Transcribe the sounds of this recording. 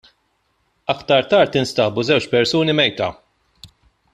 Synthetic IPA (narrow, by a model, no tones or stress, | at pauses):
ɐkt̪ɐɾt̪ɐːɾt̪ɪnst̪ɐːbuzɛwt͡ʃpɛɾsuːnimɛjt̪ɐ̰